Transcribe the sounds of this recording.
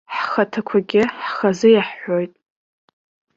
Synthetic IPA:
ħχatʰakʷʰaɡʲɪħχazɨjaħːojtʼ

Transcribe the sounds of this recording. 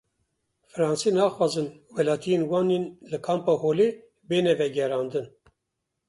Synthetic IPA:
fɨɾɑːnsinɑːxwɑːzɨnwɛlɑːt̪ʰijenwɑːnenlɨkʰɑːmpɑːhoːleː | beːnɛvɛɡɛɾɑːnd̪ɨn

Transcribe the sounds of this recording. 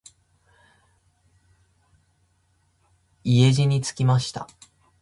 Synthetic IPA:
ie̞ʑiɲ̟it͡sɨ̥kʲimaɕi̥t̪a̰

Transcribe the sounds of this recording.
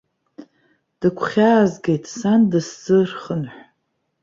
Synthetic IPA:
d̥ɨkʷʰχʲaːzɡʲe̞jtʼsandɨszɨrχənħʷᶣ

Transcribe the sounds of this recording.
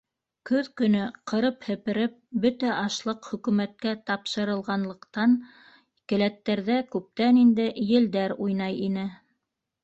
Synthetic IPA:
kɵðkɵ̆nɵqʰɤ̆ɾɤphɘ̆pɘ̆ɾɘp̚bɵt̪æʔɑʃlˠɤqχɵ̆kʉmæt̪̚kæt̪ɑpʃɤ̆ɾɤ̆lˠʁɑnlˠɤ̆qt̪ɑn | kɘ̆læt̪ːæɾðækʉp̚t̪ænind̪ɘjɘ̆ld̪æɾujnɑjinɘ

